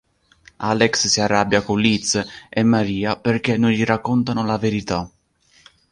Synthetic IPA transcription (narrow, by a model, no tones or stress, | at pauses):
alɛksːiarːabːjakonlit̪sɛmːaɾiːaperk̟enːoʎiɾakːɔnt̪anʊlaveɾit̪a